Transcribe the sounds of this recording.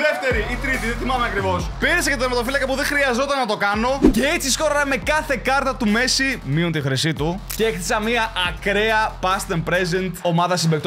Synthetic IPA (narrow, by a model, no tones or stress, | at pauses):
ðeft̪e̞ɾiit̪ɾit̪iðeθimɐmeɐkɾivo̞spiɾesɐcet̪oɾmet̪ofilɐkɐpuðexɾiɐzo̞t̪ɐnːɐt̪o̞kɐno̞ce̞et͡sisko̞ɾonɐme̞kɐθe̞kɐɾt̪ɐt̪ume̞simiont̪ixɾisit̪uceekθisɐmiɐʔɐkɾeɐpɐst̪eɾmpɾezent̪o̞mɐðɐsimbekt̪o